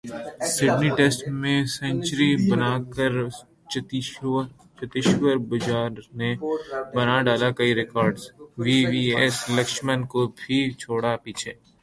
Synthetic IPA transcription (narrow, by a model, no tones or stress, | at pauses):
sɪɖniʈeːsʈmẽsɛ̃ɲt͡ʃɾibɐnaːkəɾ | t͡ʃɐt̪ɪʃwəɾbɐd͡ʒaːɾnebɐnaɖaːlakɐiɾɪkɔːɾɖzʋiːʋiːeslɐkʃmənkobʱit͡ʃʰoːɽapiːt͡ʃʰeː